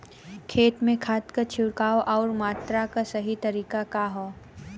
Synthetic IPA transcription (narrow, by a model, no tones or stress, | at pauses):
kʰeːt̪mẽkʰaːt̪kat͡ʃʰɪwkaːoʔɔːɾmaːt̪ɾakasɐɦit̪ɐɾiːkakaɦoː